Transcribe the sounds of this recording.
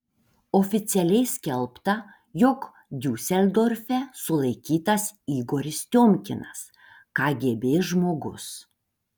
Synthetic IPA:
ofʲɪt̪sʲɛlʲɛɪsʲkʲɛlˠpt̪ɐ | jɔk | d̪ʲuːsʲɛlʲd̪oːɾʲfʲɛsʊlˠɐɪkʲiːt̪ɐsiːɡoːɾʲɪst̪ʲoːmʲkʲɪnɐs | kɑːɡʲeːbʲeːʒmoːɡʊ̰s

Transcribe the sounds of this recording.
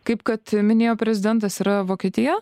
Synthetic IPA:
kɐɪpkɐt̪mʲɪnʲeːjoːpʲɾʲɛzʲɪd̪ʲɛnt̪̬ɐsiɾɐʋoːkʲiɛt̪ʲijɛ

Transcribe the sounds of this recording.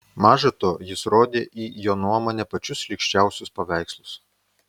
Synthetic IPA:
mɑːʒɐt̪oːjɪsɾoːd̪ʲeːʔiːjoːnuɔmoːnʲɛpɐt͡ʃʲʊslʲɪkʃʲt͡ʃʲæˑʊsʲʊspɐʋʲæˑɪkslˠʊs

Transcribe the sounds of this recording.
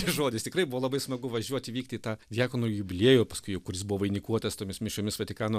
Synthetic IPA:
ɪʒoːd̪ʲɪst̪ʲɪkrɐɪbʊʋoːlˠɐbɐɪsmɐɡʊʋɐʒʲuɔt̪ʲɪʋʲiːkt̪ʲɪːt̪ɑːdʲjæːkonoːjʊbʲɪlʲeːjʊːpɐskʊɪjɛʊkʊɾʲɪs̬bʊʋoɪnʲɪkuɔt̪ɐst̪oːmʲɪsmʲɪʃoːmʲɪsʋɐt̪ʲɪkɑːnoː

